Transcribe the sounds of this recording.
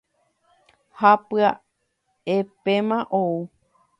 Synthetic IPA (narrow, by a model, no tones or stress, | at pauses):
hapɨa | epemãʔou